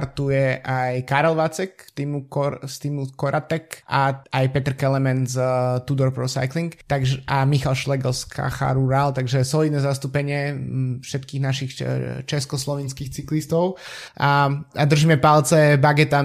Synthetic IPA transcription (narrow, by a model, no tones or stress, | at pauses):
ɾt̪ujɛʔajkaɾɛlʋat͡sɛkt̪imukɔst̪iːmukɔɾat̪ɛkʔaajpɛt̪r̩kɛlɛmɛnzt̪ud̪ɔɾpɾɔsa̰jkliŋkt̪aɡʒʔamixalʃlɛɡɔlskʰa̰xa̰ɾuɾalt̪aɡʒɛsɔliːd̪nɛzast̪upɛɲɪɛfʃɛt̪kiːɣnaʃixt͡ʃɛskɔslɔʋinskiːxt͡siklist̪ɔʊ | aad̪r̩ʒiːmɛpalt͡sɛbaɡɛt̪a